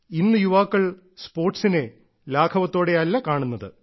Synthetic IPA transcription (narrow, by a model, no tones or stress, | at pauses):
inːɨjuʋaːkːɐɭ | spo̞ːrʈsine | laːkʰɐʋɐt̪ːo̞ːɽe̞ɐlːɐkaːɳunːɐðɨ